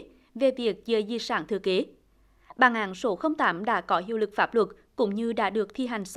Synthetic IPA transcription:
ve˨˩vi˨˩ək̚zəː˨˩zi˧˩saː˧˩nt̪ʰɨ̰˨˧˩əke˨˦ | ɓaː˨˩ŋʔaː˨˦nso˨˦xə˧wŋ͡mt̪aː˨˦mɗa̰ː˧˥kɔ˨˦hɦi˧˨əwlɨ˨˩k̚faː˦˥p̚lwə˨˩t̚ | kʊ̰˧˥ŋ͡mɲɨ˧ɗa̰ː˧˥ɗɨ˨˩ək̚t̪ʰi˧ɦa˨˩jŋ̟s

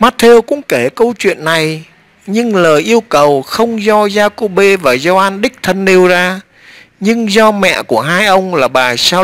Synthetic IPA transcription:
maː˦˥t̚t̪ʰe˧wkʊ̰˧˥ŋ͡mke˧˩kə˧wt͡ɕwḭ˧˨ənːa˨˩j | ɲɨ˧ŋləː˨˩jʔi˧əwkə˨˩wxə˧wŋ͡mzɔ˧zaː˧ko˧ɓe˧vaː˨˩zɔ˧ʔaː˧nɗï˦˥k̟̚t̪ʰə˧nɗe˧wzaː˧ | ɲɨ˧ŋzɔ˧mɛ̰˧˨ku˧˩əɦaː˧jʔə˧wŋ͡mlaː˨˩ɓaː˨˩saː˧

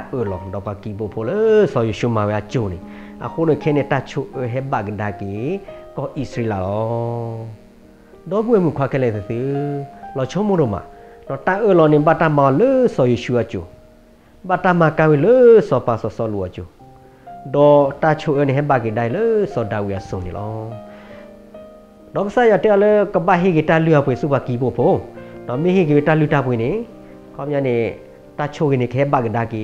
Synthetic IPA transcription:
ta˦ʔə˧lɔ̰˨dɔ˨pa˨ki˨bo˨pʰo˧˨lə˦sɔ˨jo˨ʃu˦˧˨mã˨we˨a˧˨t͡ʃo˨nḛ̃˨ | a̰˨xo˦ne˨˧˨kʰɛ˦nẽ˧ta˧t͡ʃʰo˧˦ʔə˧ɦɛ˦ba˨ke˨da˨ke˨kɔ˧˦ʔi˧sɾe˧la˨lɔ˨˦ | dɔ˦bu˦ɛ˨mũ˨kʰa˧˨kʰɛ˧lɛ˨t̪ɨ˨t̪ɨ˦lɔ˨t͡ʃʰo˦mo˦ɾo˧˨mã̰˨dɔ˨ta˦ʔə˧˨lɔ˧˨nẽ˧˨ba˦˧˨ta˧mã˨ɔ˧˨lə˦sɔ˧˨je˧˨ʃu˧˦a˧t͡ʃo̰˨ | ba˧˨ta˦ma˨ka˦wi˧˨lə˦sɔ˨pa˨sɔ˨sɔ˧˨lṵ˨a̰˨t͡ʃo̰˨ | dɔ˨ta˧t͡ʃʰo˧˨ʔə˧˦˨ne˨ɦɛ˦ba˨ke˨da˧e˨lə˦sɔ˨da˨wu˨a˨so˨nḛ̃˨lʔɔ̰˦ | dɔ˨kə˦sa˦ja˨te˦a˦˨lə˦kə˨ba˧˨ɦi˦˨ɡe˨ta˧˨lu˦a˨pwe˨su˦pa˨ki˨bo˨pʰo˦dɔ˨mẽ˦ɦi˦˨ɡe˨we˨ta˧˨lu˦˧˨ta˧˨pe˨ne˨ | kʰɔ˦m˦a˧˨ne˨ | ta˧˨t͡ʃʰo˦˨ɡe˨nẽ˨kə˨ɦɛ˦ba˨ke˨da˧˨ke˨

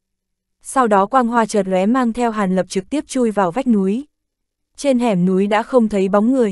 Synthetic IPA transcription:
sa˧wɗɔ˨˦kwaː˧nɦwaː˧t͡ɕəː˨˩t̚lwɛ˨˦maː˧ŋt̪ʰɛ˧wɦaː˨˩nlə˨˩p̚t͡ɕɨ˨˩k̚t̪i˦˥əp̚t͡ɕu˧jvaː˨˩wva˦˥jk̚nu˨˦j | t͡ɕe˧nɦɛ˨˩mnu˨˦jɗa̰ː˧˥xə˧wŋ͡mt̪ʰə˨˦jɓa˨˦wŋ͡mŋɨ˨˩əj

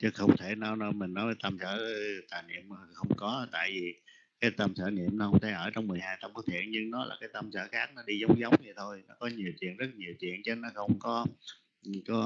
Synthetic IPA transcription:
t͡ɕɨ˨˦xə˧wŋ͡mt̪ʰe˧˩na˧˩wnɔ˨˦mi˨˩ŋ̟nɔ˨˦jvəː˨˦t̪ə˧msəː˧˩t̪aː˨˩nḭ˧˨əmː˨˩˨xə˧wŋ͡mkɔ˨˦t̪a̰ː˧˨jvi˨˩ | kaː˨˦jt̪ə˧msəː˧˩nḭ˧˨əmnɔ˨˦hə˧wŋ͡mt̪ʰa˧˩ʔəː˧˩t͡ɕɔ˧wŋ͡mːɨ˨˩əjhaː˧jt̪ə˧mku˨˦˥t̪ʰḭ˧˨ənɲɨ˧ŋnɔ˨˦la̰ː˨˩kaː˨˦jt̪ə˧msə̰ː˧˩xaː˦˥k̚nɔ˨˦ɗi˧zə˨˦wŋ͡mzə˨˦wŋ͡mvi˨˩t̪ʰo˧jnɔ˨˦kɔ˨˦ɲi˨˩əwt͡ɕwḭ˧˨ənzə˦˥t̚ɲi˨˩əwt͡ɕwḭ˧˨ənt͡ɕə˨˧˦nɔ˨˦xə˧wŋ͡mkɔ˨˦˨ | kɔ˨˦

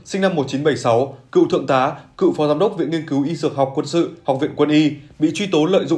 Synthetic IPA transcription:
sï˧ŋ̟na˧mːo˨˩t̚t͡ɕi˨˦nɓə˧˩jsa˨˦wkɨ̰˧˨t̪ʰɨ̰˧˨əŋt̪aː˨˦kɨ̰˧˨fɔ˨˦zaː˨˦mɗə˦˥k͡p̚vḭ˧˨nŋi˧ənkɨ˨˦wʔi˧zɨ˨˩ək̚ɦha˨˩wk͡p̚kːwə˧nsɨ̰˧˨ha˨˩k͡p̚vḭ˧˨ənkwə˧nʔi˧ɓḭ˧˨t͡ɕwi˧t̪o˨˦lə̰ː˧˨jzʊ̰˧˨

